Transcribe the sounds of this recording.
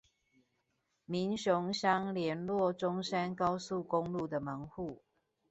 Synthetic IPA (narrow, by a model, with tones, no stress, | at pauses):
mi˨˦nɕʊ˨˦ŋɕjɑ˦ŋljɛ˨˦nlwɔ˥˨ʈ͡ʂʊ˦ŋsa˦nkɑ˦ʊsu˥˨kʊ˦ŋlu˥˨d̪ə˨mə˨˦ŋxu˥˨